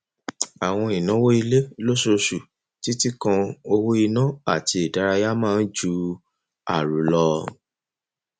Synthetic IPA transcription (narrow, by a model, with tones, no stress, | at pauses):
a˨w̃ɔ̃˧i˨nã˨˦wo˦i˧le˦lo˦so˧ʃu˨ | ti˦ti˦kã˧o˧wo˦i˧nã˦a˦˨ti˧i˨da˨˧ɾa˧ja˦mãː˦n̩˦d͡ʒu˧˦ | a̰˨ɾu˨˦lɔ˧